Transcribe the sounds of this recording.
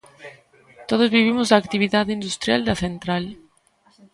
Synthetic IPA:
t̪oðozβiβ̞imʊzðaːkt̪iβ̞iðaðind̪ust̪ɾja̰ld̪ɐθent̪ɾal

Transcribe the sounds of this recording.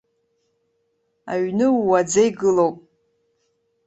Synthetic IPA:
a̰ɥnɨuːad͡zajɡɨlowpʼ

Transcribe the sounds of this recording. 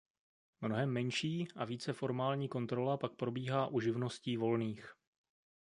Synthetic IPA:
mno̞ɦɛmːɛɲʃiːʔaviːt͡sɛfo̞ɾmaːlɲiːko̞nt̪ɾo̞lapak̚pɾo̞biːɦaːʔuʒɪvno̞sciːvo̞lniːx

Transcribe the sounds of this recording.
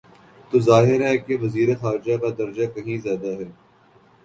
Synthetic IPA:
t̪oːzaːɦɪɾɦɛkeʋɐziːɾət̪xaːɾd͡ʒakad̪ɐɾd͡ʒakɐɦĩzjaːd̪aɦɛː

